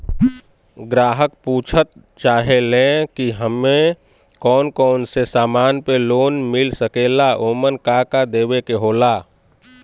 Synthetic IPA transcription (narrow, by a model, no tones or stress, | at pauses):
ɡɾaːɦəkpuːt͡ʃʰət̪̚ | t͡ʃaːɦelẽkiɦəmːe | kɔːnkɔːnsesaːmaːnpeloːnmɪlsəkeːlaʔoːmənkakad̪eːbekeɦoːlaː